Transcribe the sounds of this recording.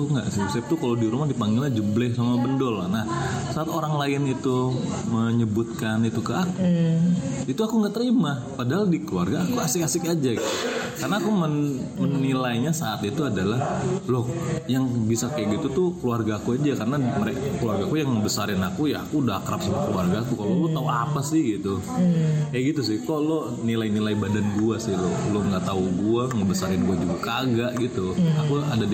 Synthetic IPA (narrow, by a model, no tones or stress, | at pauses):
ŋɡa̰ʔsipsp̚t̪ukalowdiɾumahdipaŋɡɪlad͡ʒəblɪhsamabəndɔlanahsaːt̪oɾaŋlaɪnit̪uməɲəbʊt̪̚kanit̪ukəaku | it̪uakuŋɡaʔt̪əɾima | padaɦaldikəluarɡaːkuasɪkasɪkad͡ʒakarənaːkumə | mənilajɲasaːt̪it̪uadalahlʊhjaŋbisakajaʔɡit̪ut̪ukluarɡaːkuad͡ʒakarənaməɾekluarɡakujaŋməbəsaɾɪnakujaːkuːdaɦakəɾap̚sɪmakəluarɡakukalolot̪auapasɪhɡit̪u | aɡit̪usɪhkolo | nilainilajbadanɡuasɪhloloŋɡaʔt̪auɡuaŋəbəsaɾɪnɡuad͡ʒuɡakaɡaʔɡit̪uakuada